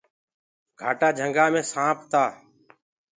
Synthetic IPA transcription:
ɡ̥ʱaːʈaːd͡ʒʱəŋɡaːmẽːsãːpʰt̪aː

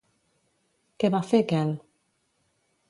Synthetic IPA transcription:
keβafekɛl

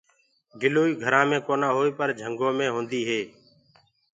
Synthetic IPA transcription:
ɡɪloːiːɡʱəɾãːmẽːkoːnãːɦoːiːpəɾd͡ʒʱəŋɡõːmẽːɦõːnd̪iːɦeː

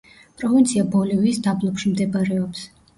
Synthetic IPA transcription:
pʼɾɔvint̪sʰiabɔlɛviːsd̪ablˠɔpʃimd̪ɛbaɾɛɔps

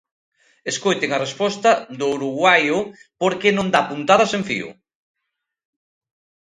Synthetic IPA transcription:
eskojt̪eŋɐrespɔst̪ɐd̪ʊwɾuɣwajʊpoɾkenõnd̪apunt̪aðɐseɱfḭʊ̰

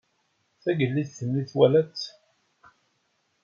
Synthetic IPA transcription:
θæɡəlːiðθəmːiθwælæt͡sː

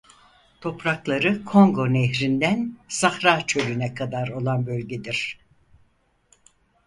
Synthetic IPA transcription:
t̪ʰo̞pɾaklˠaɾɯkʰo̞ŋɡo̞neɦɾind̪ænsaxɾaːt͡ʃʰølynɛkʰad̪aɾo̞lˠanbølʲɟed̪iɾ̥

